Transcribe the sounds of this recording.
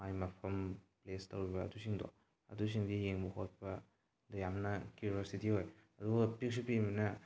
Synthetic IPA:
ajmɐpʰɐmplestɐwɾibɐ̰ːtusiŋdɔ̰ | ɐ̰dus̬iŋdijeŋmuhot̚pɐ | dojamnɐkjuɾositihojɐduɡɐpik̚supimbinɐ

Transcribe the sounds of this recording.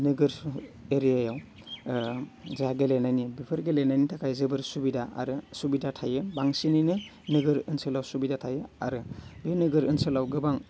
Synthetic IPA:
nɯɡɯɾeɾijajaw | zaɡelenajnibipʰɯɾɡelenajnitʰakʰajzɯbɯɾsubidaa̰ɾɯsubidatʰajɯbaŋsininɯ | nɯɡɯɾɯnsɯlawsubidatʰajɯa̰ɾɯbenɯɡɯɾɯnsɯlawɡɯbaŋ

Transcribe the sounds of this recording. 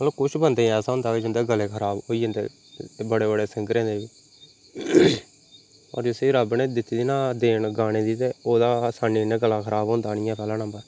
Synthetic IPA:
mət̪ləbkʊt͡ʃʰbənd̪aːiɛːsaːɦʊ̃nd̪aːkeːd͡ʒɪnd̪eːɡəleːkʰəɾaːboːiːənd̪ḛː | bəɽeːbəɽeːsɪ̃ŋɡəɾẽːnd̪eːʋiː | ɔ̰ːɾd͡ʒɪseːɾəbnẽːd̪ɪt̪ːiːd̪iːnãːd̪eːɳɡaːɽ̃ẽːd̪iːt̪eːoːd̪aːsaːniːnẽːɡəlãːkʰəɾʔaːbɦʊ̃nd̪aːnɪ̃jãːpɛːlãːnãːmbaː

